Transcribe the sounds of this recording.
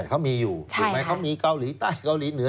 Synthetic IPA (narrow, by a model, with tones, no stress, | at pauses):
kʰa˦˥wmiː˧juː˨˩u˨˦˥ma˦˥jkʰa˦˥wmiː˧ka˧wliː˩˦t̪aː˥˩jka˧wliː˨˩˦nɯ˨˩˦ɐ˦